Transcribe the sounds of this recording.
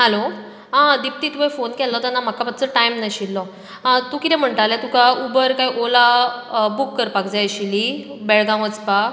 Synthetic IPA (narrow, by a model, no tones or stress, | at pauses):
ɦəlo | ɦãd̪ip̚t̪iːt̪uefonkɛlːɔt̪anːam̤akapət̪̚t͡səʈaimnaɕilːɔ | t̪uːkit̪ɛ̃m̤əɳʈ̪alet̪ukaubəɾkaiʔolabukːəɾpakd͡zajɕilibɛɭɡãʋət͡spa